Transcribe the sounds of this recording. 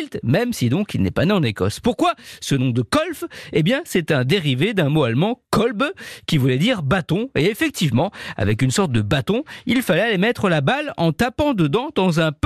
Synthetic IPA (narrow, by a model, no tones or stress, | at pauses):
lt̪mɛmsid̪ɔ̃kilnɛ̰paneɑ̃nekɔ̰spuʁkwasənɔ̃d̪əkɔlfebjɛ̃sɛt̪ɛ̃d̪eʁived̪ɛ̃moalmɑ̃kɔlbkʲivulɛd̪iʁbat̪ɔ̃eefɛk̚t̪ivmɑ̃a̰vɛkynsɔʁt̪̚d̪əbat̪ɔ̃ilfalɛalemɛt̪χəlabalɑ̃t̪apɑ̃d̪əd̪ɑ̃d̪ɑ̃zɛ̃p